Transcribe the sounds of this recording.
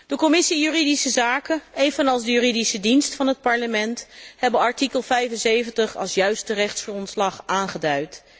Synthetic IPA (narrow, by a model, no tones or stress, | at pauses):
d̥əkɔmɪsijyridisəzaːkənejvənɑlˠsdəjyːridisədinstfɑnɦət̚pɑɹləmɛnthɛbənɑɹtikəlˠvɛjfənsejvəntəχɑ̰lˠsjœɥstərɛχtsχrɔntslɑχaːnχədœɥt